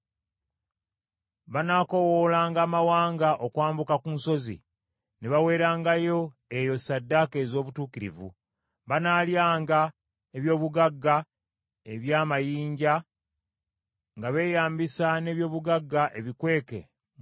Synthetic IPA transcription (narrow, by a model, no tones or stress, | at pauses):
βanaːko̞woːlaːŋɡaːmawaːŋɡaʔo̞kwaːmbukakunso̞zḭ | neβawe̞ːɾaːŋɡajo̞ | ejo̞sadːake̞ːzo̞ːβutuːkiɾḭvṵ | βanaːljaːŋɡa | eβjo̞ːβuɡaɡːa | e̞βjaːmajiːɲɟa | ŋɡaβe̞ːjaːmbisane̞ːβjo̞ːβuɡaɡːaʔe̞βikwe̞ːke̞̰